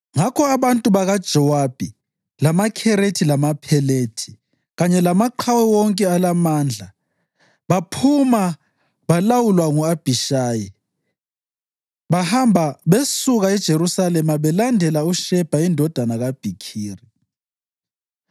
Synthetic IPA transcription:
ŋakʰɔaβantʼuβaɣad̥ʒ̥ʱɔwab̥ʱi | lamakʰɛɾetʰilamapʰɛletʰi̥ | ɣaɲɛlamaǃʰawɛwɔŋkʼɛalamaːnd͡ɮʱa | βapʰuma | βalawulwaŋuab̥ʱiʃaːji | βahambʱaβesuɣaɛd̥ʒ̥ʱeɾusalɛmaβɛlandʱɛlauʃɛb̥ʱaindʱɔd̥ʱanaɣab̥ʱikʰiːri

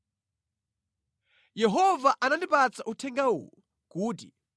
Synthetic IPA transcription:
jɛɦɔvaʔanandipat͡sʰaʔutʰɛŋɡawṵːlu | kuːt̬i

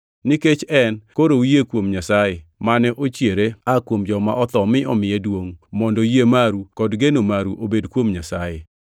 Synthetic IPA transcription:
niket͡ʃɛnkoɾoujekwomɲasajemanɛʔot͡ʃjeɾeakwomd͡ʒɔma̰ʔɔt̪ɔmɪʔɔmɪjɛdwoŋmɔndɔjemaɾukɔdɡenomaɾuʔobedkwomɲasaje

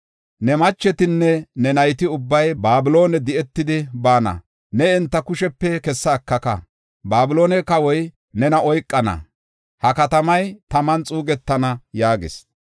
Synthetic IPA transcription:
nɛmɐt͡ʃːɛt̪ɪnːɛnɛnɐjt̪ɪʊbːɐjbaːbɪlo̞ːnɛd̪ɪɛt̪ːɪd̪ɪbaːnɐ̰ | nɛɛnt̪ːɐkʊʃɛpːɛkɛsːɐːkːɐkɐ̰ | baːbɪlo̞ːnɛkɐwɔj | nɛnɐɔjkʼːɐnɐ̰ | hɐkɐt̪ɐmɐjt̪ɐmɐnt͡sʼuːɡɛt̪ːɐnɐjaːɡɪ̰s

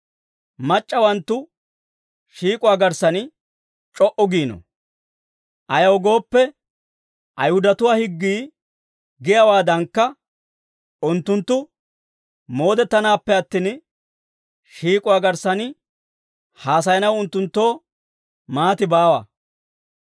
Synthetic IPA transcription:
mɐt͡ʃʼːɐwɐnt̪ːʊ | ʃiːkʼʊwaːɡɐɾsɐnɪ | t͡ʃʼɔʔɔɡiːnɔ̰ | ʔɐjɐwɡo̞ːpːɛ | ʔɐjhʊd̪ɐt̪ʊwaːhɪɡːiː | ɡɪjɐwaːd̪ɐŋkːɐ | ʔʊnt̪ːʊnt̪ːʊ | mo̞ːd̪ɛt̪ːɐnaːpːɛɐt̪ːiːn | ʃiːkʼʊwaːɡɐɾsɐnɪ | haːs̬ɐjɐnɐwʊnt̪ːʊnt̪ːo̞ː | maːt̪ɪbaːwɐ̰

